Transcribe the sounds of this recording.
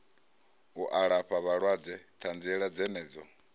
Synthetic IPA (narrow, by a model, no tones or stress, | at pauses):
uʔaɺaɸaβaɺwad͡zɛt̪ʰand͡zɛɺad͡zɛnɛːd͡zɔ